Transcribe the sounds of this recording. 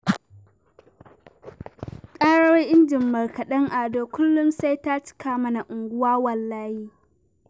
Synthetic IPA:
kʼaː˦ɽo˦ʔɪ˦nd͡ʒɪ˨mːɐ˨rkɐ˨ɗɐ˦ŋʔaː˨doː˦kʷʊ˦lːʊ˦msa˦jtaː˦t͡ʃɪ̥˦kaː˨mɐ˦na˨ʔʊ˨ŋɡʷʊ˦waː˦wɐ˨lːaː˦jiː˦

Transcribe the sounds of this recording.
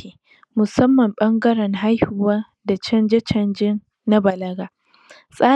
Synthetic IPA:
eː˨ | mʊ˨sɐ˦mːɐ˨mɓɐ˦ŋɡɐ˦ɾɛ˨ŋɦa˦jhʊ˦waː˦ | da˨t͡ʃɐ˦nd͡ʒe˦t͡ʃɐ˦nd͡ʒɪ˦n | na˦bɐ˨lɐ˦ɡaː˦ | sʼaː˦

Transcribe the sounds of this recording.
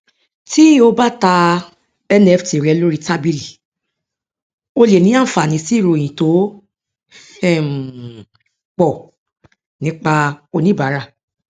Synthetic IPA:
ti˦o˧ba˦˨ta˧ | ɛ˦nɛ˦fti˨ɾɛ˨˧˦lo˦ɾi˦˧ta˦bi˧li˨ | o˧le˨nĩ˨˦ã˦˨fa˨nĩ˨˦si˦˨ɾo˧˨jĩ˨to˨˦ | ɛ˦˨m˨ | k͡pɔ˦˨ | nĩ˨˦k͡pa˧o˧nĩ˦ba˨˦ɾa˦˨

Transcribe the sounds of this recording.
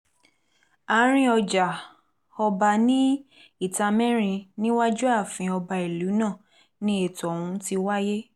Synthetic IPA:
a˨˦ɾ̃ĩ˦ɔ˧d͡ʒa˨ | ɔ˧ba˧˨nĩ˦ | i˦˨ta˧mɛ̃˦ɾ̃ĩ˧nĩ˦wa˦d͡ʒu˦a˦˨fĩ˧ɔ˧ba˧i˨lu˨˦nã˦˨ | nĩ˦e˦˨tɔ˨ũ˧ti˧wa˦je˦

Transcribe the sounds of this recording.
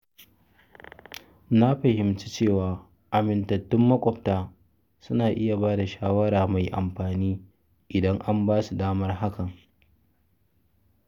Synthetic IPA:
na˦ɸɐ˨hɪ˨mt͡ʃi̥˦t͡ʃeː˦˨waː˨ | ʔa˨mɪ˨ntɐ˨tːʊ˦mːɐ˦kʷʼɔ˦p̚taː˨ | sʊ˦naː˨ʔɪ˦ja˨baː˦da˨ʃaː˦wɐ˦ɾaː˨ma˨jʔa˨mɸaː˨niː˦ | ʔɪ˨dɐ˦ŋʔa˦mbaː˦su˨daː˦mɐ˦rɦa˦kɐ˨ŋ

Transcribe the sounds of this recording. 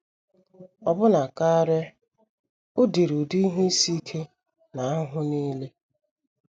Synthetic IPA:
ɔ˨bʊ˦na˨ka˦ɾe˦ | ʊ˦de˨ɾu˨du˦i˦ɦe˦i˦si˦kʰe˦ | na˨a˦ɦʊ˦ni˦le˦

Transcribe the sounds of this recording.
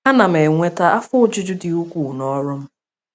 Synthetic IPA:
a˦na˨m̩˨e˨ŋʷe˦ta˦ʔa˦fʊ˦ʊ˦d͡ʒʊ˦d͡ʒʊ˦di˨u˦kʷu˨nɔ˦ɾʊ˦m̩˦

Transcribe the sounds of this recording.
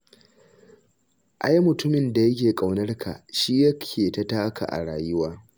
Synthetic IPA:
ʔa˦jmʊ˨tʊ˦mɪ˨nda˨jɐ˦kʲeː˨kʼa˨wnɐ˦rkʰa̰˨ʔʃiː˦jɐ˦kʲʰeː˨tɐ˦taː˦kʰa̰˨ʔa̰˨ɽaː˨jɪ˦waː˦

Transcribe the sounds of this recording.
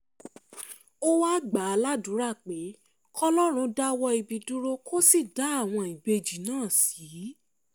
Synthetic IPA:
o˦wa˦ɡ͡ba˨a˧la˦dũ˨˦ɾa˦˨k͡pe˨˦ | kɔ˦lɔ˦ɾ̃ũ˧˦da˦wɔ˧i˧bi˨dũ˦ɾo˦kʰo˦si˦˨da˨˦a˦˨w̃ɔ̃˧i˨be˧d͡ʒi˨nãː˦˨si˨˦

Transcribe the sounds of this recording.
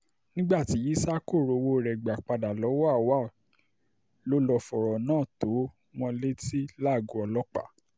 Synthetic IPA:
nĩ˦ɡ͡ba˦˨ti˨˦i˦sa˦ko˦˨ɾo˨wo˧˨ɾɛ˨ɡ͡ba˨k͡pa˧da˨lɔ˨˦wwa˦˨ | lo˦lɔ˧fɔ˨ɾɔ˨nãː˦˨to˨˦ | w̃ɔ̃˧le˦ti˦la˦˨ɡu˨˦ɔ˧lɔ˦k͡pa̰˦˨

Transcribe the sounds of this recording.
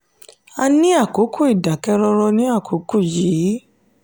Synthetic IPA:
a˧nĩ˦a˦˨ko˨˦kʰu˦˨i˨da˨kɛ˧ɾɔ˧ɾɔ˧nĩ˦a˦˨kʰo˨˦ku˦˨ji˨˦

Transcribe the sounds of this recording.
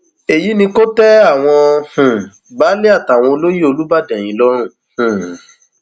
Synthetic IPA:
e˨ji˨˦nĩ˧ko˦tɛ˦a˦˨w̃ɔ̃˧hũ˨ | baː˨˦le˦a˦˨ta˨w̃ɔ̃˧o˧lo˦ji˦o˧lu˦ba˦˨dɛ˨j̃ĩ˨˧˦lɔ˦ɾ̃ũ˦˨ | hũ˨

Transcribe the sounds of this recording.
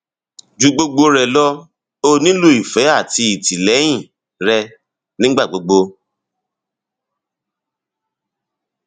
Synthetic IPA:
d͡ʒu˧ɡ͡bo˧ɡ͡bo˧ɾɛ˨lɔ˦ | o˧nĩ˦lo˦i˨fɛ˨˦a˦˨ti˧i˨ti˨lɛ˨˦j̃ĩ˦˨ | ɾɛ˧ | nĩ˦ɡ͡ba˦˨ɡ͡bo˨˦ɡ͡bo˧

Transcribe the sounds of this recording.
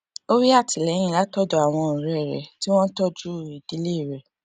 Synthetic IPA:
o˦ɾi˦a˦˨ti˨lɛ̃˨˦ĩ˦˨la˨˦tɔ˦dɔ˧a˨w̃ɔ̃˧˨ñ̩˨ɾɛ˨ɛ˨ɾɛ˨˦ti˦w̃ɔ̃˦n˦tɔ˦d͡ʒu˦i˨d̥i˨˦le˦˨ɾɛ˨

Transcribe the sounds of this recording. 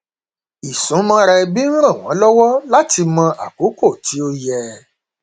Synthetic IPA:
i˨sũ˨˦mɔ̃˧ɾɛ˧bi˦ñ̩˦ɾ̃ã˦˨w̃ɔ̃˨˦lɔ˦wɔ˦la˦ti˧mɔ̃˧ʔa̰˨ko˨˦ko˦˨ti˨˦o˧jɛ˧

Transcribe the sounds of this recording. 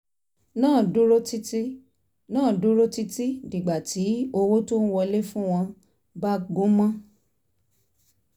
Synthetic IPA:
nãː˦˨du˦ɾo˦ti˦ti˦ | nãː˦˨du˦ɾo˦ti˦ti˦di˨ɡ͡ba˨ti˨˦o˧wo˦to˦n̩˦wɔ˧le˦fũ˦w̃ɔ̃˧ | ba˦ɡo˦mã˦

